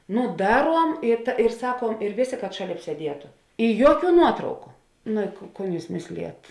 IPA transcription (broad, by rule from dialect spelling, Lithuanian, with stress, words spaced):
ˈnʊ ˈdɑːˌruɔm ɪ ɪr ˈsɑːkuɔm ɪr ˈʋʲeːˌsʲeː kɐt ˈʃɑːˌlʲeːp sʲiɛˈdʲiɛtʊ ɪ ˈjuɔˌkʲuː ˈnuɔtrɐʊkʊ nʊ ɪ koː ˈkoːn ˈjuːs ˈmʲeːsʲlʲeːjɛt